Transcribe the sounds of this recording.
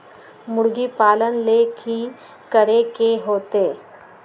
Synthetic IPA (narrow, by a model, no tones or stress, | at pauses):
mʊɽɡipaːlənleːkʰi | kəɾekeɦoːt̪eː